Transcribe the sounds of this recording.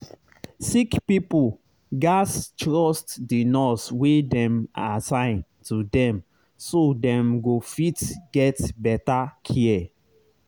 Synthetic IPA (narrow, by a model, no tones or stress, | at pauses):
sikpipul | ɡastɹɔstdinɔswedɛ̃maasãɪ̃ntudɛ̃m | sodɛ̃mɡofitɡɛtbɛtakʰiɛ